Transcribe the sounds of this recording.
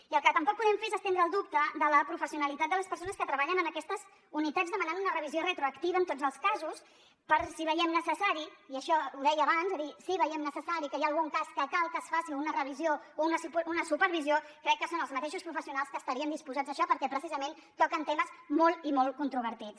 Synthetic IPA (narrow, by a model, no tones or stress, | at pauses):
iəlˠkət̪əmpɔk̚pːuðɛmfeezəst̪end̪ɾəːlˠd̪up̚t̪əðələpɾufəsiunəlit̪at̪̚d̪ələspəɾsonəskət̪ɾəβaʎənənəkɛst̪əz | unit̪azðəmənanunərəβiziorət̪ɾuəkt̪iβəːnt̪od͡zəlˠskazus | pəɾsiβəjɛmnəsəsaɾiiəʃɔuðɛjəːβanzəðisiβəjɛmnəsəsaɾikəjaːlˠɣuŋkaskəkalˠkəsfasiunərəβiziounəsupunəsupəɾβiziokɾɛkːəsonəlˠzmət̪eʃuspɾufəsiunalˠskəːst̪əɾiənd̪ispuzad͡zðəʃɔpəɾkɛpɾəsizəment̪ɔkənt̪eməsmolˠimolˠkunt̪ɾuβ̞əɾt̪it͡s